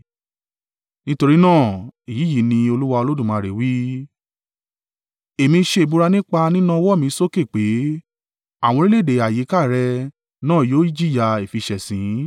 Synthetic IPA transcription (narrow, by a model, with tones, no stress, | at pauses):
nĩ˦to˧ɾi˦nãː˦˨i˨ji˨˦ji˨˦nĩ˧o˧lu˦wa˧o˧lo˦dũ˦˨mã˨˧˨ɾe˨wi˦ | e˨mĩ˧ʃe˧˨bu˧ɾa˧nĩ˦k͡pa˧nĩ˦nũ˦˧wɔ˦˨mĩ˧˦so˦˨ke˦˨k͡pe˨˦ | a˦˨w̃ɔ̃˧ɾi˦le˦˨de˨a˨ji˨˦ka˦˨ɾɛ˧ | nãː˦˨joː˨˦i˦d͡ʒi˦˨ja˧e˨fi˧ʃɛ˨sĩ˨˦